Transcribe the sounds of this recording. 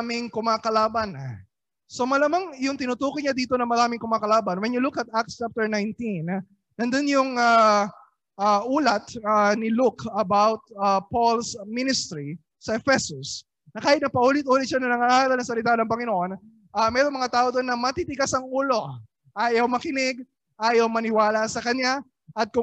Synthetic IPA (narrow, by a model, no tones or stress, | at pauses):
mɪŋkʊmaːkɐlaːbɐna | so̞mɐlɐmaŋjʊŋt̪ɪnʊt̪uːkoɲad̪iːt̪o̞nɐmɐɾaːmɪŋkʊmaːkɐlaːbɐnwɛnjʊlukɐt̪̚ak̚st͡ʃap̚t̪ɛɹnajnt̪in | nɐnd̪onjʊŋa | ʔaʔuːlɐt̪anɪlʊkɐbawt̪̚apolsmɪnɪst̪ɾi | sɐʔɛfɛsʊs | nɐkaːhɪt̪̚nɐpɐʔuːlɪt̪̚ʔuːlɪt̪̚ʃanɐŋnɐŋaʔaːɾɐlnɐsɐlɪt̪anɐŋpɐŋɪnoʔo̞n | ʔamɛːɾoŋmɐŋat̪aːʔod̪onːɐmɐt̪it̪ɪɡasɐŋuːlo̞ | ʔaːjɐwmɐkɪnɪɡ̚ | ʔaːjɐwmɐnɪwaːlɐsɐkɐɲa | ʔɐt̪̚kʊ